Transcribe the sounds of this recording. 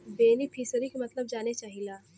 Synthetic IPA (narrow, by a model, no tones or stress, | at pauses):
beːnipʰiːsəɾikemɐt̪ləb̚d͡ʒaːnet͡ʃaːɦilaː